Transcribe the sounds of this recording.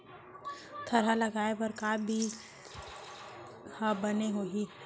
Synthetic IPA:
t̪ʰɐɾɦalɐɡaːepəɾkaːbʱi | habəneɦoːɦi

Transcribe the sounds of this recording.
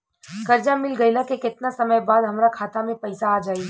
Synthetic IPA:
kɐɾd͡ʒamɪlɡɐilakekɪt̪nasɐməjbaːd̪ɦɐmɾakʰaːt̪amẽpɐɪsaːd͡ʒaːi

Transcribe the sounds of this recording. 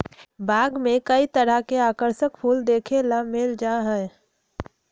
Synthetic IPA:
baːɡmẽkəit̪əɾəkeaːkəɾsəkpʰuːld̪eːkʰelamɪld͡ʒaːɦɛ̃

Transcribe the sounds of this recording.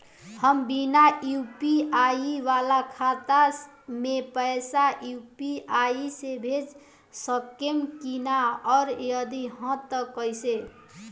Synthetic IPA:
həmbinajupiaiʋalakʰat̪a | mepəjsajupiaisebʱed͡ʒ | səkemkinaɔɾjəd̪iɦɔ̃t̪əkəjse

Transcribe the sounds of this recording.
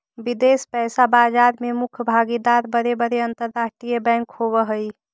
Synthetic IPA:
bid̪espɛːsabaːd͡ʒaːɾmemʊkʰbʱaɡid̪aɾbəɾebəɾeənt̪əɾːasʈɾijəbɛ̃ŋkhobəɦəi

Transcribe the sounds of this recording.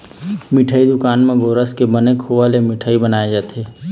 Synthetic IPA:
mɪʈʰəːid̪ʊkaːnmẽɡoːɾəskebənekʰoʋalemɪʈʰəːibənaːed͡ʒaːt̪ʰeː

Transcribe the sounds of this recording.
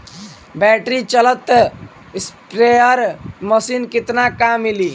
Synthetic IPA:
bɛʈɾit͡ʃələt̪ | spɾeəɾməsinkit̪nakamːili

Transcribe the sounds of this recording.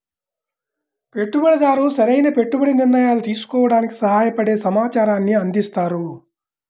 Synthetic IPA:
pe̞ʈːubɐɽɐd̪aːɾuːsɐɾɐjnɐpe̞ʈːubɐɽiniɾnɐjaːlut̪iːsu̥kɔːʋɐɽaːniki̥sɐɦaːjɐpɐɽe̞ːsɐmaːt͡ʃaːɾaːnːiɐnd̪ist̪aːɾu

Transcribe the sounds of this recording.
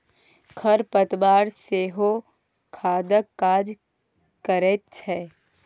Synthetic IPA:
kʰəɾpət̪baːɾseːɦo | kʰaːd̪əkːaːd͡ʒ | kəɾeːt̪̚t͡ʃʰɛː

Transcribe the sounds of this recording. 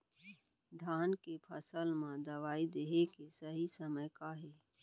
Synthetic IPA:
ɖʱaːnkepʰəsəlmãd̪ɐʋaːid̪eɦekesəɦisəməjkaɦɛː

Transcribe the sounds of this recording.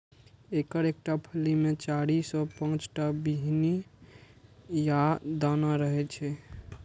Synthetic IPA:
ekəɾek̚ʈapʰəlimet͡ʃaɽisɔ̃pə̃t͡ʃʈabiɦni | jad̪anaɾəɦɛt͡ʃʰɛ

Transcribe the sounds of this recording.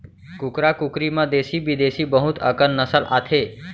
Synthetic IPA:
kukɾakukɾimãd̪esibid̪esiːbəɦut̪ʰə̰kənːəsəlʔa̰t̪ʰe

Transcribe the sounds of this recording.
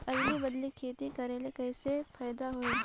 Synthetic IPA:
ɐɡlibɐd̪likʰeːt̪ikɐɾelekɛːsepʰɛːd̪aɦoe

